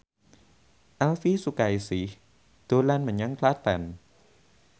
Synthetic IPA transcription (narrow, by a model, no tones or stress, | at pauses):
ʔalfisukajsi | d̪̥ulanmanjaŋkʰlat̪ɛn